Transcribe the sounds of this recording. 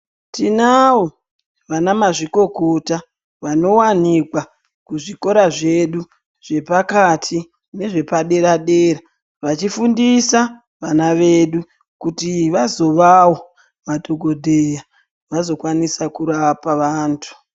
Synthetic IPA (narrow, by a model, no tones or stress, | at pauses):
tinawo | ʋanamaʐiko̞ɡʱota | ʋano̞wanikwa | kuʐiko̞ɾaʐe̞ɗu | ʐ̥e̞pakatʰi | ne̞ʐe̞paɗe̞ɾaɗeɾa | ʋat͡ʃifundisa | ʋanaʋeɗu | kutiʋazo̞ʋawo | madʱo̞ɡʱo̞dʱeja | ʋazo̞kwanisakuɾapaʋaːntʰu̥